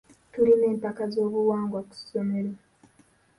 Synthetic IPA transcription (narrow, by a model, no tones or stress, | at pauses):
tuline̞ːmpakazo̞ːβuwaːŋɡwaku̥some̞ɾe